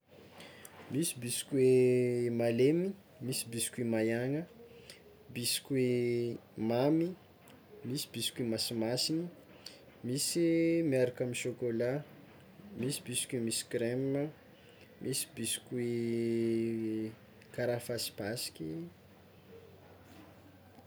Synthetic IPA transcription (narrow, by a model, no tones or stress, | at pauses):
misibisi̥kʲuwemalemi | misibisi̥kwemajaŋə | bisi̥kʲwe | mami | misi̥bisi̥kemasimasini | misimiaɾakaminʃokola | misibisi̥kwemisi̥kɾemə | mʔisi̥bisi̥kue | kaɾafasi̥pasi̥kʲi